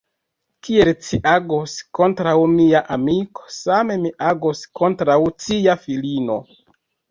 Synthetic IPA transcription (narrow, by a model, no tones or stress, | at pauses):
kie̞lt͡ʃiʔaɡosko̞ntɾawmiaʔamiko̥same̞miʔaɡosko̞ntɾawt͡siafilino̞̰